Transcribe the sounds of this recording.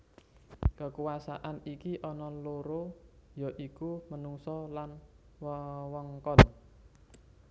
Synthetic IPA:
kəkuwasaʔanikiʔɔnɔloɾojɔ̤ʔikumənuŋsɔlan | wwɔŋkɔn

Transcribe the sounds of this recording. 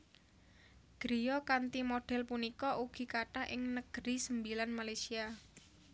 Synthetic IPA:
ɡ̥ɾijɔkant̪imoɖ̥ɛ̤lpunikɔuɡ̥i̤kaʈaʔɪŋnəɡ̥ɾisəmbilanmalajsia

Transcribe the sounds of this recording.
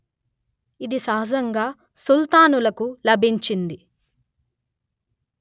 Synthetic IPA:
id̪isɐɦɐd͡ʒɐŋɡaː | sult̪aːnulɐkulɐbʱiɲt͡ʃind̪i

